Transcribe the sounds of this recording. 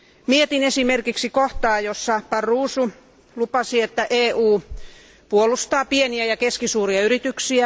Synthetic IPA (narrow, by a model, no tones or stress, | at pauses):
miet̪inesimerkiksikoht̪ɑːjosːɑpɑrːuːsu | lupɑsiet̪ːæʔeːʔuː | puolˑust̪ɑːpieniæjɑkeskisuːriɑyɾit̪yksiæ